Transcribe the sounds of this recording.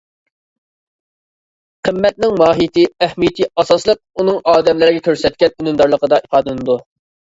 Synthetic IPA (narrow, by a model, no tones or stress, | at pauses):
qʰəmːɛt̪̚nɪŋmɑːɦit̪ʰɪɛhmijt̪ʰiɑsɑslˠəq̚unɨŋɑːd̪ɛmlɪɾɪɡʲɛkʲʰøɾsɛt̪̚kʲɛnynymd̪ɑɾlˠəqəd̪ɑʔipɑːd̪ɨnɨd̪u